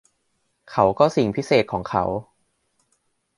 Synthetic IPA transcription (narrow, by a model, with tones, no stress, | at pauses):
kʰa˦˥wkɔː˥˩si˨˩ŋpʰi˦˥seː˨˩t̪̚kʰɔː˩˦ŋkʰa̰˦˥w